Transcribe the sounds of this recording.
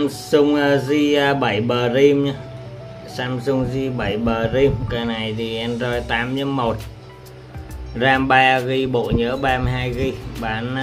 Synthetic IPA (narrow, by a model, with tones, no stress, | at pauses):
msʊ˧ŋ͡mə˧zi˧ɓə˧˩jɓəː˨˩zi˧mɲa˧ | saː˧msʊ˧ŋ͡mzi˧ɓə˧˩jɓəː˨˩zi˧mka˧˩na˨˩jt̪ʰi˨˩ʔɛ˧nzɔ˧˩jt̪aː˨˦mɲə˧˦mːo˨˩t̚ | zaː˧mɓa˧ɣi˧ɓo̰˧˨ɲəː˨˦ɓaː˧mə˧jɦaː˧jɣi˧ɓaː˨˩˦n˧